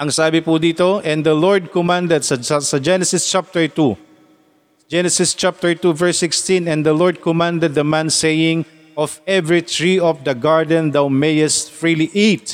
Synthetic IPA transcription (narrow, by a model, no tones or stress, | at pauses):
ʔɐŋsaːbɪpud̪iːt̪oʔɛ̃nd̪ɐlɔɹd̪̚kɔmãnd̪ɛd̪sɐɐsɐd͡ʒɛnɛsɪst͡ʃap̚t̪ɛɹt̪u | d͡ʒɛnɛsɪst͡ʃap̚t̪ɛɹt̪uvɛɹsːɪkst̪ĩnɛ̃nd̪ɐlɔɹd̪̚kɔmãnd̪ɛd̪̚ːɐmãnsejɪ̃ŋ | ʔɔfɛvɹit̪ɹiɔfd̪ɐɡaɹd̪ɛ̃nd̪awmejɛst̪̚fɹiliʔit̪̚